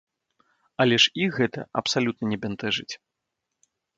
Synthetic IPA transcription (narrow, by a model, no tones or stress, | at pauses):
ɐlʲɛʂiɣɛt̪ɐ̰ɐ̰psalʲut̪̚nɐnʲɛbʲɛnt̪ɛʐɨt͡sʲ